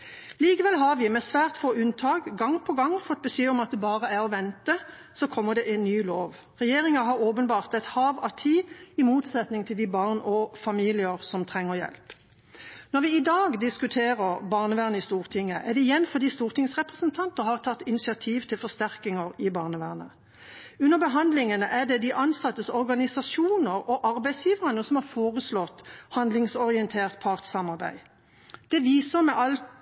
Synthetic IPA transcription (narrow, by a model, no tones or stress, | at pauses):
liːkəʋɛlɦɑʁʋɪmɛsʋæːʁt̪foːʉnt̪ʰɑːkɡɑŋpʰɔɡɑŋːfɔt̪̚ːbəsyːɔmɑt̪̚d̪ɛbɑːʁəæʁɔʋɛnt̪ə | sɔkʰɔmːəd̪ɛʔɛːnnyːloːʋ | ʁɛjeːʁɪŋɑɦɑʁoːpənbɑːʁt̪ɛt̪hɑːʋɑt̪ʰiːɪmuːt̪sɛt̪nɪŋt̪ʰɪld̪iːbɑʁnɔfɑmiːlɪəʁsɔmt̪ʰʁɛŋːəʁjɛ̰lp | nɔʁʋɪɪd̪ɑːɡd̪ɪskʉt̪ʰeːʁəʁbɑːʁnəʋæːʁnəɪst̪uːʁt̪ʰɪŋːəʔæʁd̪ɛɪjɛnfɔʁd̪iːst̪uːʁt̪ʰɪŋsʁɛpʁəsənt̪ʰɑnt̪əʁhɑʁt̪ʰɑt̪ːɪnɪsɪɑt̪ʰiːʋt̪ʰɪlfɔst̪æʁkɪŋəʁɪbɑːʁnəʋæːʁnə̰ | ʉnːəʁbəɦɑnd̪lɪŋənəʔæd̪ɛd̪ɪʔɑnsɑt̪ːəsɔɾɡɑnɪsɑsuːnəʁɔʔɑʁbæɪsjiːʋəʁɑnəsɔmhɑʁfoːʁəslɔt̪ːhɑnd̪lɪŋsɔʁɪənt̪ʰeːʁt̪̚pʰɑʁt̪sɑmɑʁbæ̰ɪ | d̪̥ɛʋiːsəmɛʔɑlt̪